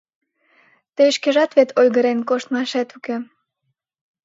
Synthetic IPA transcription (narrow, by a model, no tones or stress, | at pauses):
t̪eʃkeʒɑt̪βet̪ʰolɣəɾenkoʃt̪mɑʃet̪uke